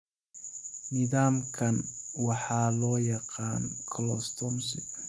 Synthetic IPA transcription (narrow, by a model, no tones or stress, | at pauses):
nɪðaːmkʰɐnwɑħɑːlɔːjɑqɑːnkʰɔlɔ̰st̪ʰɔmsɪ